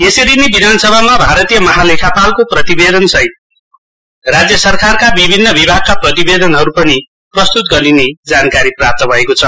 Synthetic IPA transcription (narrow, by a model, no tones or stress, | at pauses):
esʌɾinebid̪ʱanʌsʌbʱamabʱaɾʌt̪ijʌmʌɦalekʰapalkoprʌt̪ibed̪ʌnsʌj | rad͡zjʌsʌrkarkabibʱinːʌbibʱaɡ̚kaprʌt̪ibed̪ʌnɦʌɾupʌni | prʌst̪ut̪ɡʌɾined͡zankaɾiprap̚t̪ʌbʱʌekot͡sʰʌ